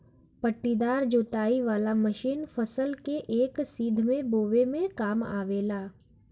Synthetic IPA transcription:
pəʈːid̪aːɾd͡ʒoːt̪aːiʋaːlaməʃiːnfʰəsəlkeʔeːksiːd̪ʱmẽboːʋemẽkaːma̰ːʋeːlaː

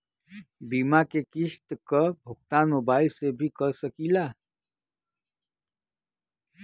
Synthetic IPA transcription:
bimakekist̪kəbʱuk̚t̪anobaːilsebʱikəɾsəkila

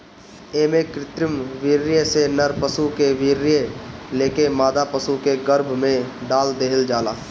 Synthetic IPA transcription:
eːmẽkɾɪt̪ɾəmʋiːɾɪjesenəɾpəsukeʋiːɾːɪjeleːkemaːd̪apəsukeɡəɾbʱmẽɖaːld̪eːɦɪld͡ʒaːlaː

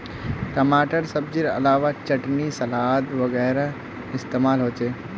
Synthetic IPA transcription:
ʈɐmaːʈəɾsɐb̚d͡ʒiɾɐ̰laːʋat͡ʃɐʈnisɐlaːɦd̪ʋɐɣɛːɾa | ɪst̪eːmaːlɦoːt͡ʃeː

